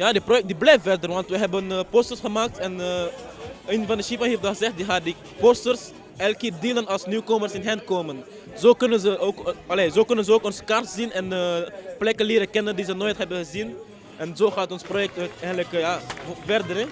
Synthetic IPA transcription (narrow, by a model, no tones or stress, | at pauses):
jaːdiprojɛk̚diblɛjffɛrdərʋɑntʋəɦɛbənəpostərsχəmaːk̚tɛnə | eːnvɑndəʃifaɦeːfdɑχəzɛχt̚diχaːdi | postərs | ɛlˠkɪːrdiːlənɑlˠsnykomərsɪnɦɛnkoːmən | zoːkʏnənzəoːkɑleːzoːkʏnənzəoːkɔnzə̥kɑrtz̥inɛnəplɛkənlɪːɾəkɛnəndizənoːjtɦɛbənχəzin | ʔɛnzoχaːtɔnsprojɛk̚tːɛχəntləkjaːvɛrdərɛ